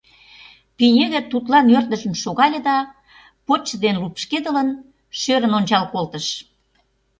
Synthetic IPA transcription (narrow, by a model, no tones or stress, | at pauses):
pinʲelĕt̪ut̪lɑnørt̪əʒə̆mʃoɣɑlʲed̪ɑ | pot͡ɕəd̪enlupʃked̪ələn | ʃøɾənonʲt͡ɕɑlkolt̪əʃ